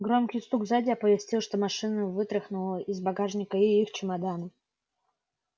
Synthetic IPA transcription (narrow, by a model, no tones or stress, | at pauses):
ɡɾomkʲɪjst̪uɡvzadʲɪɐpəvʲɪsʲtʲilˠʂt̪omaʂɨnəvɨt̪ɾɪxnʊlˠəʔizbaɡaʐnʲɪkəiixt͡ɕɪmad̪anə